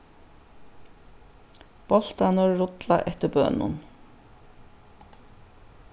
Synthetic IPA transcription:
b̥ɔl̥t̪anɔɾɾʊt̪laʔɛht̪əɾbœ̰ːnʊ̰n

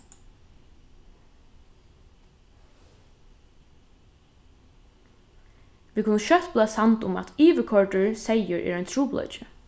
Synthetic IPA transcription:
ʋiːkʰʊnːəʃœht̪̚plaːsant̪ʊma̰t̪iːʋəkʰɔɹɖəɹsɛjəɹʔɛ̰ːɹɛɪjnt̪ʰɹuːplˠɔ̰t͡ʃɪ

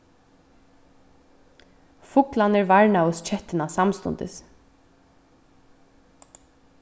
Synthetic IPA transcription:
fʊklanɛɹvaɹɳaʊst͡ʃʰɛt̪ːɪnasamst̪ʊ̰nt̪ɪ̰s

